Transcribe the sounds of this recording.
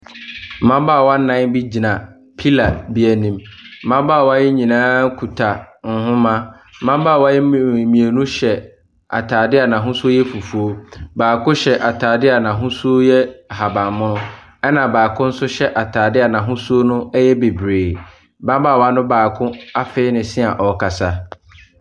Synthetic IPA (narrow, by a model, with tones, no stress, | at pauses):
mã˦ba˦˨wa˦n̩˦nã˦bi˦d͡ʑi˨nã˨ | pʰi˦la˨bi˦æ˨nĩ˦m̩˦mã˦baː˦˨wa˦jɛ˦ɲĩ˨nãː˦kʰu˨tʰa˨ŋ̩˨hʊ̃˦mã˦ | mã˦baː˦˨wa˦jɛ˦˨mĩ˨e˨nũ˦ɕɛ˨ | a̰˨tʰaː˨dɪ˦a˨nã˨ɦʊ̃˦sʊ˦o˦jɛ˦fu˨fu˨o˦baː˨kʰʊ̃˦ɕɛ˨ʔa˨tʰaː˨dɪ˦a˨nã˨ɦʊ̃˦sʊ˦o˦jɛ˦˨ha˨bã˨mʊ̃˦nʊ̃˦ | ɛ˦nã˨baː˨kʰʊ̃˦n̩˦sʊ˦ɕɛ˦ʔa˨tʰaː˨dɪ˦a˨nã˨ɦʊ̃˦su˦o˦nʊ̃˦ɛ˦jɛ˦be˨bɾeː˨ | bã˦baː˦˨wa˦nʊ̃˦baː˨kʰʊ̃˦a˦fɪ˦ɪ˦nɪ̃˨sɪ̃˦a˨ʔɔ˨kʰa˨sa˦